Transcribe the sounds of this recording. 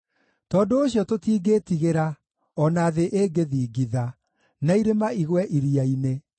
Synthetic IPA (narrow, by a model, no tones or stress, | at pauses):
tɔːdoːɕjɔtotiːɡeːtiɣeɾa | ɔnaːðeʔeːɡeðiːɡiða | naiɾemaiɣwɛʔiɾiaine